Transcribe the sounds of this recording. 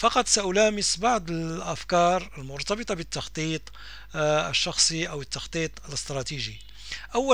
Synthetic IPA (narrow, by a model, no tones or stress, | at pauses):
fɑqɑt̪ˤsaʔʊlæːməsbɑʕd̪ˤəlʔæfkɑːɾˤəlmʊɾt̪ɑbɨt̪ˤɑbət̪ːɑxt̪ˤiːt̪ˤ | ə̰ʃːɑxsˤiʔawət̪ːɑxt̪ˤiːt̪ˤələst̪ɾˤɑt̪iʒi | ʔæwːæ